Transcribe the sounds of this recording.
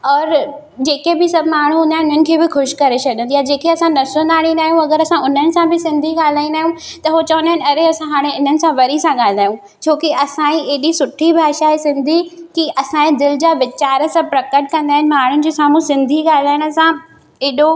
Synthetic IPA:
ɔːɾ | d͡ʑeːkebɪsɐbʱmaːɳ̤uʊ̃nãʊn̤ənɪ̆kʰeːbɪxʊʃkɐɾet͡ɕɐɗjə̃nijad͡ʑeːkeɐsãnɐsə̃nd̪aːɽ̃ĩnaːɦijũɐɡəɾɐsãʊn̤ənɪ̆sãbɪsɪ̃nd̪ʱiɠaːl̤aːĩnd̪aːɦjũ | t̪ɐɦot͡ɕɐʋə̃ndaːɦɪ̃nɐɾeɐsãɦaːɽ̃eɪn̤ənɪ̆sãʋɐɾisãɠaːl̤aːɦjũ | t͡ɕʰoːkiɐsãĩeːɗisʊʈʰibʱaːʃaɦesɪ̃nd̪ʱikiʔɐsãːẽd̪ɪld͡ʑaːʋɪt͡ɕaːɾə̆sãpɾɐkəʈ̚kɐ̃nd̪aːɦɪnɪ̆maːɳ̤ʊnɪ̆d͡ʑisaːmũsɪ̃nd̪ʱiɠaːl̤aːɪɽ̃ə̆sã | eɗo

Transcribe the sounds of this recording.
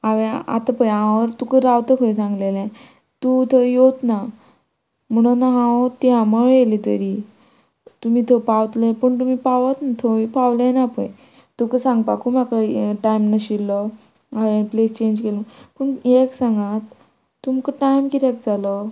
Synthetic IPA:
aʋea̰t̪apəjaaʋəɾt̪ukəɾawt̪əkʰəjsãŋɡlelɛ̃ | t̪ut̪ʰəjot̪na | m̤əɽ̃anaɦãt̪jaməɭjelit̪ə̰ɾi | t̪um̤iːt̪ʰəpawt̪lepəɳt̪umiːpaʋat̪nat̪ʰopaʋlɛ̃napə̰j | t̪umkəsãŋɡpakumakəʈajmnaɕilːɔ | aẽplest͡ɕeɲd͡ʑkelupəɳjeksãŋɡat̪ː | umkəʈajmkit̪ek̚d͡zalɔ

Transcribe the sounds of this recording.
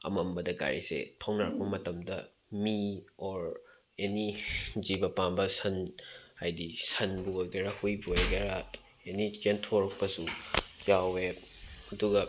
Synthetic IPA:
ɐ̰mɐmbɐdɐka̰ɾḭsḛtʰɐwnaɾɐk̚pɐmɐtɐmdɐ | miɔɾ | enid͡ʒibɐpanbɐsɐnajdisɐnbuojɡeɾahujbuojɡeɾa | enit͡ʃentʰoɾk̚pɐsud͡ʒaweɐduɡɐ

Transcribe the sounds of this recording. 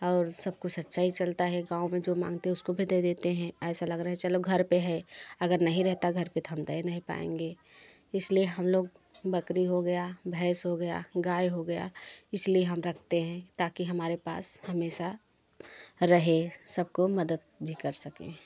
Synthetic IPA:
ɔːɾsɐb̚kosɐt̪ːʃaːit͡ʃɐlt̪aɦɛɡãːumẽd͡ʒoːmã̰ːŋɡ̚t̪eɦɛʊskobʱid̪ed̪eːt̪eɦɛ̃ɛːsalɐɡɾaːɦɛt͡ʃəloɡʱɐɾpeɦɛɐɡəɾnɐɦĩɾɛɦt̪aɡʱɐɾpet̪oɦɐmt̪ainɐɦĩpa̰ːḛ̃ːŋɡeː | ɪslieɦɐmloːɡ̚ | bɐkɾiɦoɡɐjabʱɛːsɦoɡɐja̰ɡaːjɦoɡɐja̰ɪslieɦɐmɾɐkʰt̪eɦɛ̃t̪aːkiɦɐmaːɾepa̰ːshɐmeːʃa | ɾɐɦẽsɐb̚komɐd̪əd̪̚bʱikɐɾsɐkḛ̃

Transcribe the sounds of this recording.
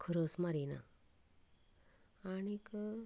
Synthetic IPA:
kʰəɾəsmaɾina̰ | añikə

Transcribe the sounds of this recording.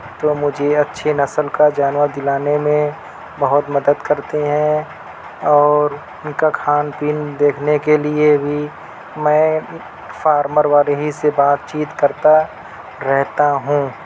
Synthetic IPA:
t̪oːmʊd͡ʒʱeɐtːʃʰenɐsəlkad͡ʒaːnʋəd̪ɪlaːnemẽ | bɐɦʊt̪mɐd̪əd̪kɐɾt̪eɦɛ̃ | ɔːɾ | ʊnkakʰaːnpiːnd̪eːkʰnekeliebʱi | mɛ̃ː | faːɾməɾʋaːɾeɦisebaːt̪̚t͡ʃiːt̪kɐɾt̪a | ɾɛɦt̪aɦũː

